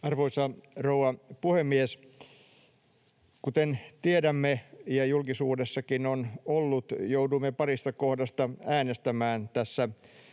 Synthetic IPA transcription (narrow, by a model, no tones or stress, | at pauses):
ɑrʋoisɑrouɑpuhemːies | kut̪ent̪iedæmːejɑjulkisuːdesːɑkinonolːut̪jouduimːepɑrist̪ɑkohdɑst̪ɑæːnest̪æmæːnt̪æsːæ